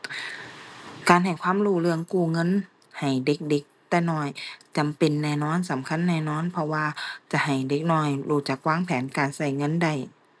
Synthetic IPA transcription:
kaː˨nɦa˨˩jkʰwaː˧˥˨mɾuː˧˩lɯ˧əŋkuː˧˩ŋɤ˧˥˨n | ha˨˩jde˧˦k̚de˧˦k̚t̪ɛː˧˩nɔː˧˩jt͡ɕa˨mpe˨nːɛː˧˩nɔː˧˥˨nsa˨˦mkʰa˧˥˨nːɛː˧˩˨nɔː˧˥˨npʰɔ˧waː˧t͡ɕa˧˦ha˨˩jde˧˦k̚nɔː˧˩˨jluː˧˩t͡ɕa˨˩˦k̚waː˧˥˨ŋpʰɛː˨˦nkaː˨nsa˧˩jŋɤ˧˥˨nda˧˩j

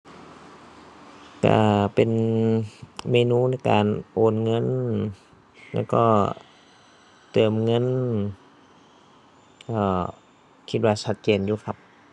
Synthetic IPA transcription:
ka̰˧˩pe˨n | meː˧nuː˧˥˨na˧˩jka̰ː˨nʔoː˨˧nŋɤ˧˥˨n | lɛ̰ː˧˥˩wkɔː˧˥˩ | t̪ɤː˨˧mŋɤ˧˥˨n | ʔɔː˧˩ | kʰi˧˥t̪̚waː˧sʰa˦˧t̪̚t͡ɕeː˨˩njuː˧kʰa˦˥p̚

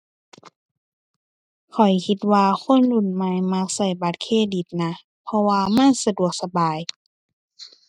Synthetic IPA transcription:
kʰɔ˨˩jkʰi˧t̪̚waː˧kʰo˧˥˨nlu˧˩˨nma˧˦jma˧˥k̚sa˧˩jba˨˧˦t̪̚kʰeː˧˥˨di˨˩t̪̚na˧˥ | pʰɔ˧waː˧ma˧˥˨nsa˧du˨˩ək̚sa˧baː˨j

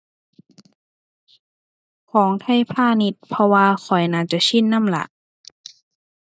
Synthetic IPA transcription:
kʰɔː˩˦ŋt̪ʰa˧˥˨jpʰaː˧˥˨ni˧˥t̪̚pʰɔ˧waː˧xʰɔ˨˩jnaː˧˩t͡ɕa˧˨t͡ɕʰi˧˥˨nːa˧˥˨mla̰˧˦ʔ

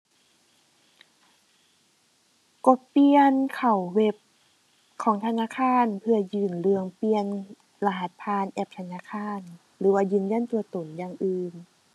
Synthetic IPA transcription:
ko˧˦pi˧ənkʰa˨˩wwe˧˩p̚ | kʰɔː˩˦ŋt̪ʰa˧naː˧˥˨kʰaː˧˥˨npʰɯ˧ɐjɯː˧˩nlɯ˧əŋpi˧ən | la˧˩ɦa˧˦t̪̚pʰaː˧˥˨nʔɛ˧p̚t̪ʰa˧naː˧˥˨kʰaː˧˥˨n | lɯː˩˦waː˧jɯː˧˩˨nja˧˥˨nt̪u˧ɐt̪o˨˩˦njaː˧ŋʔɯː˧n

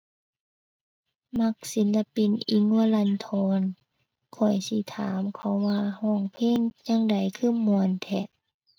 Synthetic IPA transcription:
ma˧k̚si˨˦nla˧pi˧˨nʔi˧˦ŋa˧˨la˧nt̪ʰɔː˧˦n | kʰɔ˨˩jsi˧˦t̪ʰa̰ː˨˦mkʰɔ˧˦wwaː˧hɔː˧˩ŋpʰeː˧˥˨ŋɲa˧˨ŋda˨˩jkʰɯː˧˥˨mu˧˨ənt̪ʰɛ˧˩

